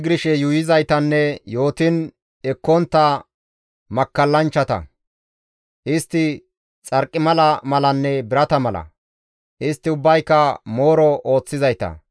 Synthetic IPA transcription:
ɡɪɾɪʃɛjujɪzɐjt̪ɐnːɛjo̞ːt̪ɪn | ɛkːɔnt̪ːɐ | mɐkːɐlːɐnt͡ʃːɐt̪ɐ̰ | ʔɪst̪ːɪ | t͡sʼɐɾkʼːɪmɐlɐmɐlɐnːɛbɪɾɐt̪ɐmɐlɐ̰ | ʔɪst̪ːɪʊbːɐjkːɐmo̞ːɾɔʔo̞ːt͡sːɪzɐjt̪ɐ̰

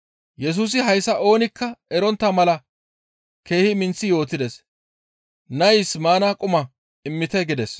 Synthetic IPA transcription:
jɛs̬uːs̬ɪɦɐjsɐʔo̞ːnɪkːɐɛɾɔnt̪ːɐmɐlɐ | ke̞ːhɪmɪnt͡sːɪjo̞ːt̪ːɪd̪ɛs | nɐjsmaːnakʼʊmɐ | ɪmːɪt̪ɛɡɪd̪ɛs

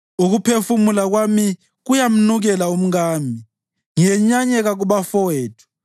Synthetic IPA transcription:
uɣupʰefumulaɣwami | ɣujam̩nuɣɛlaum̩ɣaːmi | ŋiɛɲaɲɛɣaɣuβafɔweːtʰu̥

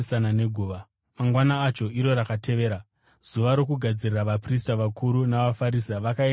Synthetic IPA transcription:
sanane̞ɡʱuːʋa | maŋɡwanaːt͡ʃo̞iɾo̞ɾakatʰe̞ʋe̞ːɾa | z̥uʋaɾo̞kuɡʱad͡ziriraʋapris̬taʋakʰuɾunaʋafaɾis̬aʋakae

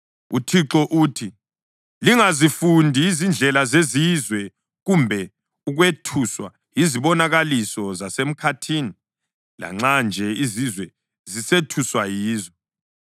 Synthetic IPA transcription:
utʰiǁɔʔuːtʰi | liŋazifundʱiːzind͡ɮʱɛlazezizwɛ | ɣumbʱɛ | uɣwetʰuswa̰ | jiziβɔnaɣalisɔzasem̩kʰatʰiːni | la̰ŋ͡ǁand͡ʒʱɛizizwɛ | zisetʰuswajiːzɔ

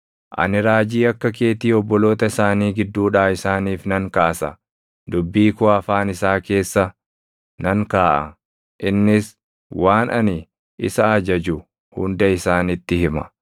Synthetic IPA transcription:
ʔɐ̰nɪɾaːd͡ʒiːɐkːɐke̞ːt̪iːɔbːɔlo̞ːt̪ɐɪsaːniːɡɪd̪ːuːᶑaːɪsaːniːfnɐŋkaːsɐ̰ | d̪ʊbːiːkʊɐfaːnɪsaːke̞ːsːɐ | nɐŋkaːʔɐ̰ | ʔɪnːɪs | waːnɐnɪ | ɪsɐɐd͡ʒɐd͡ʒʊ | hʊ̰nd̪ɐɪsaːnɪt̪ːɪhɪmɐ̰

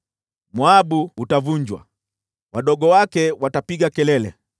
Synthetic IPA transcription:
mwaɓuːtavuɲd͡ʒwa̰ | waɗɔɡɔwakɛwatapiɡakɛlɛlɛ̰

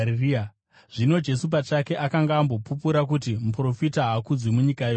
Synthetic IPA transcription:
ir | ʐ̥ino̞d͡ʒe̞sup̬at͡ʃake̞ʔakaŋɡaːmbo̞pupuɾak̬utimupro̞fitaɦakud͡zwemuɲikajo

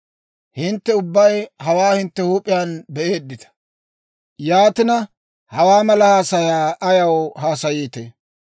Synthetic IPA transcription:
hɪnt̪ːɛʊbːɐjhɐwaːhɪnt̪ːɛhuːpʼːɪjaːnbɛʔe̞ːd̪ːɪt̪ɐ̥ | jaːt̪ɪnɐ | hɐwaːmɐlɐhaːsɐjaːʔɐjɐwɦaːsɐjiːt̪e

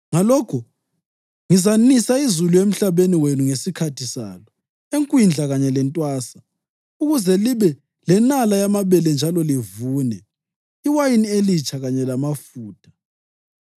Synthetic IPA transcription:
ŋalɔkʰɔ | ŋizanisaizuluem̩ɬaβeniwenuŋesikʰatʰisa̰ːlɔ | eŋkʼwind͡ɮʱaɣaɲɛlɛntʼwaːsa | uɣuzɛliβɛ | lɛnalajamaβɛlɛnd͡ʒʱalɔlivuːnɛ | iwajinielit͡ʃʰʼaɣaɲɛlamafuːtʰḁ

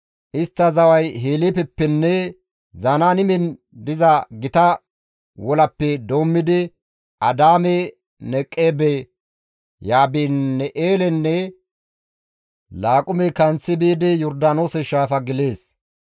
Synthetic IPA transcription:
ʔɪst̪ːɐzɐwɐjɦeːlipɛpːɛnːɛ | zɐnanɪmɛn | d̪ɪzɐɡɪt̪ɐ | wɔlɐpːɛd̪oːmːɪd̪ɪ | ʔɐd̪aːmɛ | nɛkʼːeːbɛ | jaːbinːɛʔeːlɛnːɛ | laːkʼʊmɛkɐnt͡sːɪbiːd̪ɪjɔɾd̪aːnoːsɛʃaːfɐɡɪle̞ːs

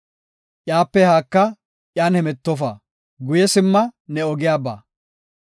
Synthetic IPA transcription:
ʔjaːpːɛhaːkːɐ | ʔjaːnhɛmɛt̪ːɔfɐ | ɡʊjɛsɪmːɐnɛɔɡɪjaːba̰ː

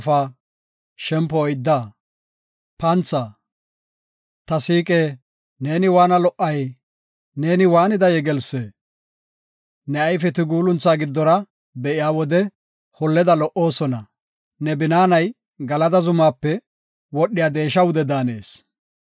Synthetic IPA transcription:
faː | ʃɛmpɔːjd̪ːaː | pɐnt͡sːa | t̪ɐsiːkʼeː | ne̞ːnɪwaːnɐlɔʔːɐj | ne̞ːnɪwaːnɪd̪ɐjɛɡɛlseː | nɛɐjfɛt̪ɪɡuːlʊnt͡sːaːɡɪd̪ːɔɾɐ | bɛʔɪjaːwɔd̪ɛ | hɔlːɛd̪ɐlɔʔo̞ːsɔnɐ | nɛbɪnaːnɐj | ɡɐlɐd̪ɐzʊmaːpːɛ | wɔɗːɪjaːd̪e̞ːʃɐwʊd̪ɛd̪aːne̞̰ːs

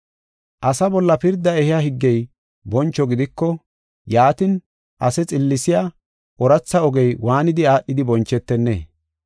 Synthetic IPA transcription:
ʔɐsɐbɔlːɐpɪɾd̪ːɐɛhɪjaɦɪɡːɛj | bɔnt͡ʃːɔɡɪd̪ɪkːɔ | jaːt̪ɪn | ʔɐsɛt͡sʼɪlːɪsɪja | ʔɔɾɐt͡sːɐɔɡɛjwaːnɪd̪ɪaːɗːɪd̪ɪbɔnt͡ʃːɛt̪ːɛnːḛː

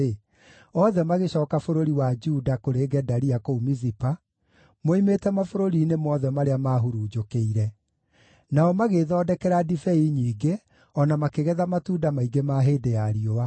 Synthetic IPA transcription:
e | ɔðɛmaɣeɕɔːkafoɾoɾiwad͡ʒudakoɾeːɡɛdaɾiakoumizipa | moimetɛmafoɾoɾiːnemɔðɛmaɾeamaːɦuɾuːd͡ʒokeiɾɛ | naɔmaɣeðɔːdɛkɛɾadifɛiɲiːɡe | ɔnamakeɣɛðamatuːdamaiɡemaːɦeːdejaɾiowa

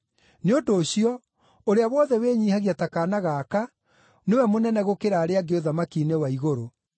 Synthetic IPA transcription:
neodoːɕiɔ | oɾeawɔðɛweɲiːhaɣiatakaːnaɣaːka | newɛmonɛnɛɣokeɾaːɾeaɡeoðamakiːnewaiɣoɾo

